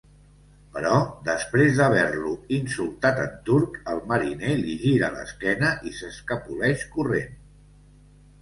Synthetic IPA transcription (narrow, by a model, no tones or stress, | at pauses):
pəɾɔd̪əspɾezðəβ̞ɛɾluinsulˠt̪at̪ənt̪uɾkəlˠməɾineliʒiɾələ̰skɛnəʔisəskəpulɛʃkuren